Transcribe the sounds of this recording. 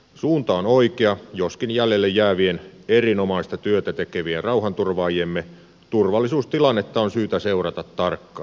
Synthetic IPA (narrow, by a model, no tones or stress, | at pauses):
suːnt̪ɑonoikeɑjoskinjælːelːejjæːʋienerinomɑist̪ɑt̪yøt̪æt̪ekeʋierrɑuhɑnt̪urʋɑːjiemːe | t̪urʋɑlːisuːst̪ilɑnːet̪ːɑonsyːt̪æseurɑt̪ɑt̪tɑrkːɑː